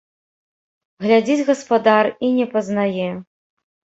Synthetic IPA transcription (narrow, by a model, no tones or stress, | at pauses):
ɣlʲad͡zʲid͡zʲɣɐspad̪arinʲɛpɐznajɛ